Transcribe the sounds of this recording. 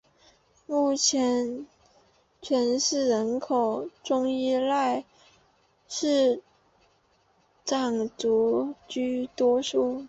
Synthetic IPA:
mu˥˩t͡ɕʰjɛ˧˥n | t͡ɕʰɥɛ˧˥nʂɻ̩˥˩ɻə˧˥nkʰo˨˩ʊʈ͡ʂʊ˥ŋi˥˧la˥˧ɪ | ʂɻ̩˥˩ | ʈ͡ʂɑ˨˩ŋt͡su˧˥t͡ɕy˥t̪wɔ˥ʂu˥˩

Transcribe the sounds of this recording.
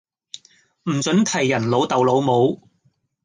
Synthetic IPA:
m̩˨˩t͡sɵ˨˥nt̪ʰɐ˨˩jːɐ˨˩nlo˨˥wt̪ɐ˨wlo˨˥wmo˨˥w

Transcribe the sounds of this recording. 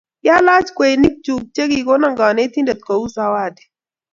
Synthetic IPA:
ja˦la˦d͡ʒkʷe˨jni˦k̚t͡ʃu˨b̚t͡ʃe˦ɡi˨ɡo˦na˦ŋɡa˨ne˦t̪i˦nda˨t̪̚ko˨u˦za˦waː˦˨de̥˨

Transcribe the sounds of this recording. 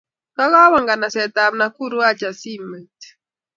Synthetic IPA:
ka˦ka˦βa˨ŋɡa˨na˨sɛ˨ta˨mna˨ku˦ɾu˦a˦t͡ʃa˨si˦mɛ˨t

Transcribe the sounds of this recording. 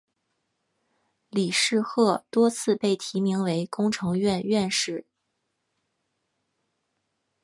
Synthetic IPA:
li˨˩ʂɻ̩˥˧xɤ˥˩t̪wɔ˥t͡sʰɹ̩˥˧pe˥˩ɪt̪ʰi˧˥mi˧˥ŋwe˧˥ɪkʊ˥ŋʈ͡ʂʰɤ˧˥ŋɥɛ˥˧nɥɛ˥˧nʂɻ̩˥˩

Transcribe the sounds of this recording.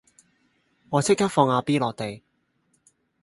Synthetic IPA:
ŋɔː˨˧t͡sʰɪ˥k̚kʰːɐ˥k̚fɔː˧ŋaː˧piː˥lɔː˨k̚t̪e˨j

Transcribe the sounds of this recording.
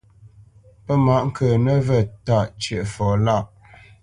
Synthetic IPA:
pə˦ma˨ʔŋ̩˦kəː˨nə˦və˨ta˦˨ʔt͡ʃjə˨ʔfɔ˨la˦˨ʔ

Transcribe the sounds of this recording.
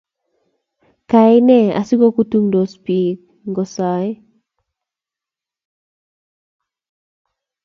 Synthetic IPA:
ka˨ɪ˦nɛ˦a̰˨si˦ɡo˦ku˦tu˦ŋdo˨spi˨k̚ | ŋɡɔ˨sa˨˦j

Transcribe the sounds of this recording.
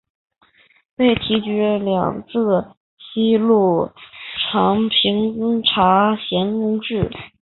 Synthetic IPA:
pe˥˩ɪt̪ʰi˧˥t͡ɕy˧˥ljɑ̰˨˩ŋt͡sʰɹ̩˥˩ | ɕi˥lu˥˩ʈ͡ʂʰɑ˧˥ŋpʰi˧˥ŋʈ͡ʂʰa˧˥ɕjɛ˧˥nkʊ˥ŋʈ͡ʂɻ̩˥˩

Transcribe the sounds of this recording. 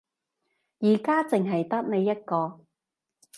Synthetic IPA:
jiː˨˩kaː˥t͡sɪ˨ŋɦɐ˨jt̪ɐ˥k̚ne˨˧jːɐ˥t̚kɔː˧

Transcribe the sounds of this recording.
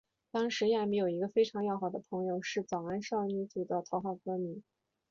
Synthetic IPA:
t̪ɑ˥ŋʂɻ̩˧˥ja˥˧mi˧˥jo˨˩ʊi˧˥ɡə˧fe˥ɪʈ͡ʂʰɑ˧˥ŋjɑ˥˩ʊxɑ˨˩d̪ə̰˦pʰɤ˧˥ŋjo˥˧ʊʂɻ̩˥˩t͡sɑ˨˩ʊa˥nʂɑ˥˩ŋy˧˥t͡su˨˩d̪ə˦t̪ʰɑ˧˥ʊxɑ˥˩ʊkɤ˧˥mi˧˥n

